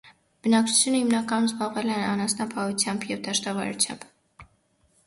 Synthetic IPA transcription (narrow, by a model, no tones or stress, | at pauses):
b̥ənɑk̚t͡sʰu̥t͡sʰjunəhimnɑkɑnumzbɑʁvɛlɛnɑnɑsnɑpʰɑhut͡sʰjɑmbjɛvd̪ɑʃt̪ɑvɑ̰ɾṵt͡sʰjɑ̰mb̥